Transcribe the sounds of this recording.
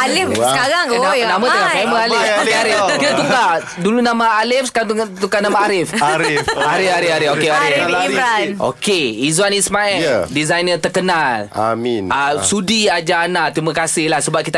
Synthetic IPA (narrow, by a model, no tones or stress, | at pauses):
alɪfsəkaɾaŋanamãt̪əkaaməalɪokaɾɪkit̪at̪uka | dulunãmaalɪfsə̥kat̪t̪ukanamaaɾɪfɾaɾɪfaɾɪfaɾɪfokeaɾɪiɾano̰keizwanismaɛldizajnət̪ərkənala̰minasudiad͡ʒaːnat̪ɾimakasɪhlahsəbap̚kit̪a